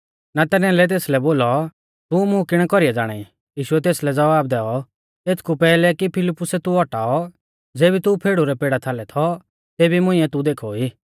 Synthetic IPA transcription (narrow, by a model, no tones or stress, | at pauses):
nat̪ɛɾnɛ̃ãlɛt̪̬eːslɛboːlɔ | t̪umʊ̃kɪɽ̃kɔɾiɛd͡zaːɽ̃aːi | jiːʃʊɛt̪̬eːslɛd͡zɐbaːb̚d̪ɛːɔ | eːt̪ʰkupɛːlɛkipʰɪlɪpːʊsɛt̪uɔʈaːɔ | d͡zeːbit̪upʰeːɽuɾɛpeːɽat̪ʰalɛt̪ʰɔ | t̪eːbimʊ̃ĩɛt̪ud̪eːkʰɔiː